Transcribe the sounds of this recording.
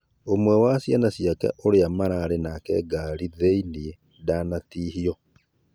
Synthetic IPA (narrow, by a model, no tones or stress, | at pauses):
omwɛwasjanasjakɛ̰ʔoɾeamaɾaːɾenakɛɡaːɾiðeinie | daːnatiːhiɔ